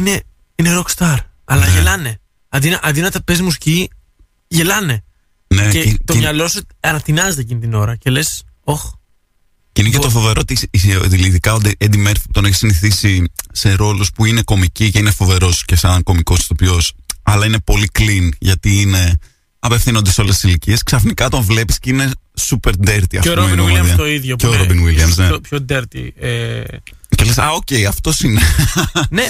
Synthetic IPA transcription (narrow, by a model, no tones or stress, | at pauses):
ine̞ | ine̞ɾokst̪ɐɾ | ɐlɐʝelɐne̞ | ɐnd̪inɐʔɐd̪inɐt̪ɐpezmusci | ʝelɐne̞ | neet̪omɲɐlo̞suɐɾɐt̪inɐzet̪ecinit̪ino̞ɾɐce̞le̞s | o̞x | cinecet̪ofo̞ve̞ɾo̞t̪isisðiliðikɐod̪iʔend̪imeɾfit̪o̞neçe̥siniθisise̞ɾo̞luspuine̞ko̞miciceinefo̞ve̞ɾo̞sce̞sɐŋko̞miko̞st̪opio̞sɐlɐine̞po̞liklinʝɐt̪iine̞ | ɐpe̞fθinond̪eso̞lest̪ːisilicie̞sksɐfnikɐt̪o̞ɱvle̞pi̥sceine̞supe̞ɾd̪eɾt̪iɐ̰fɾummeniɐðɐoiðʝocoɾobinwiliɐmsnepçod̪eɾt̪ḭe | celesɐoce̞jɐft̪o̞sinene